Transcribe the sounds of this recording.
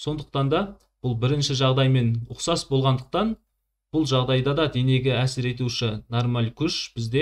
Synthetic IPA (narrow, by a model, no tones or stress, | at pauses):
so̞nd̪əq̚t̪ɑnd̪ɑ | b̥ʊlˠbɪɾɪnʃɪʒɑʁd̪ɑjme̞nʊqsɑsbo̞lˠʁɑnd̪əq̚t̪ɑn | b̥ʊlˠʒɑʁd̪ɑjd̪ɑd̪ɑd̪ene̞ɡʲɪæsɪɾe̞t̪uʃɪnormɑlʲkʲʰʊʃb̥ɪzd̪e̞